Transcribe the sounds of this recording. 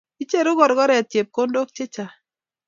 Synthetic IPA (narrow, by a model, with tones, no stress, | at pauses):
i˦t͡ʃe˦˨ɾʊ˦ɡɔ˨ɾɡɔ˦ɾɛ˨a˨tje˨p̚ko˦ndo˦k̚t͡ʃe˦t͡ʃa˨